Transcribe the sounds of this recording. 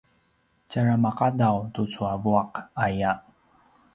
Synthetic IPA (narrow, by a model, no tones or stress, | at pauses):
caɹamaqadawtut͡suavuaqaja